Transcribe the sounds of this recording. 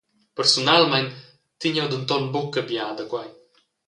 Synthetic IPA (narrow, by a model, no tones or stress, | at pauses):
pəɾsunalmɛn | t̪ːiɲɛwd̪ənt̪ɔnbɔkːəbjad̪əkwaj